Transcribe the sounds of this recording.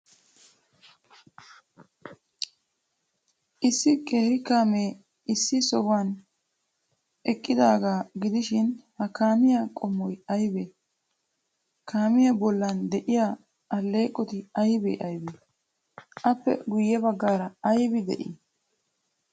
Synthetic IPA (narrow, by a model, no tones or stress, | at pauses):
ʔɪsːɪkʼe̞ːɾɪkaːmeː | ɪsːɪsɔɡwan | ʔɛkʼːɪd̪aːɡaːɡɪd̪ɪʃɪnhɐkaːmɪjakʼɔmːɔjɐjbeː | kʰaːmɪjɐbɔlːɐnd̪ɛʔɪja | ɐlːe̞ːkʼːɔt̪ɪɐjbḛːʔɐjbe | ʔɐpːɛ̰ɡʊjːɛbɐɡːaːɾɐɐjbɪd̪ɛ̰ʔɪ